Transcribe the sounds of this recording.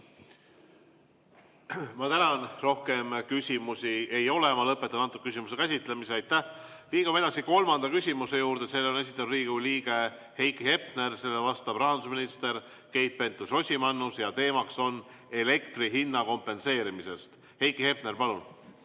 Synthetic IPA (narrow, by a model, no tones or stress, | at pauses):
mɑt̪ænɑnro̞hke̞mkysʲimusʲie̞jo̞le̞mɑlɤpːˑe̞t̪ːˑɑɑnt̪uk̚ys̬ʲimust̪ekæsʲit̪ˑle̞miseɑjt̪ːæh | liːɡume̞d̪ɑsiko̞lmɑnd̪̥ɑkysʲimuse̞juːɾd̪̥e̞se̞lːeone̞s̬ʲi̥t̪ːˑɑnuriːɡ̥uliːɡ̥e̞ | he̞jkˑihe̞pne̞rse̞lːevɑst̪ɑb̥rɑɦɑnd̪usminist̪e̞ɾ | ke̞jt̪̚pe̞nt̪ˑuso̞sʲimɑnːusjɑt̪e̞ːmɑkso̞n | e̞le̞kt̪riɦinːɑko̞mpːˑe̞nse̞ːɾimise̞st̪ | he̞jkihe̞p̚ne̞ɾpɑlun